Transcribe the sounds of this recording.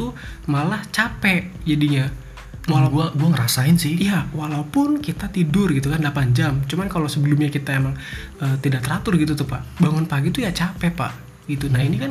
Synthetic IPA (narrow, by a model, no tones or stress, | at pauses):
t̪umalaht͡ʃapɛd͡ʒadiɲa | malaɡuaɡuaŋəɾasaɪnsɪhijawalaupʊnkit̪at̪idʊrɡit̪ukandlapand͡ʒamt͡ʃumankalosəbəlʊmɲakit̪aemaŋəːt̪idaʔ̚t̪əɾat̪ʊrɡit̪ut̪ʊhpaʔbaŋʊnpaɡit̪ujat͡ʃapɛpa̰ʔ | ɡ̥it̪unahinikan